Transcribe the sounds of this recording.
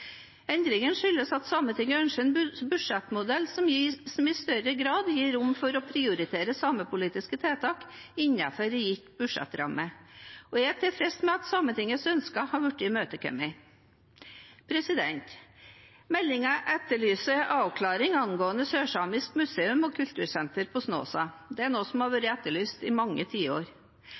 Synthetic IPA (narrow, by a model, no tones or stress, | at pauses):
ɛnd̪ɾɪŋənʂʏlːəsɑt̪sɑːmət̪ʰɪŋəœnʂɛnbʉʂɛt̪mʊd̪ɛlːsɔmsɔmɪst̪œɾəɡɾɑːd̪jiːɾʊmfɔɾɔpʰɾɪʊɾɪt̪ʰeːɾəsɑːməpʊliːt̪ɪskət̪ʰeːt̪ʰɑːkɪɲːɑ̰fɔɾɛjɪt̪bʉʂɛ̰t̪ɾɑ̰mːəɔjɛt̪ʰɪlfɾɛst̪mɛɑt̪sɑːmənt̪ɪŋəsœnskɑhɑːɾʋʉʈːɪmøːt̪əkʰœ̰mɪ | pʰɾɛsɪd̪ɛnt̪ | mɛlːɪŋɑʔɛt̪ːəɭyːsəʔɑːʋkʰlɑːɾɪŋɑnɡoːənəsøːʂɑːmɪskmʉseːʉmɔkʰʉlt̪ʉːɾsɛnt̪əɾpʰɔsno̰ːsɑː | d̪ɛæɳoːsɔmhɑɾʋøɾɪɛt̪ːəɭyːst̪ɪmɑŋːət̪ʰiːəo̰ːɾ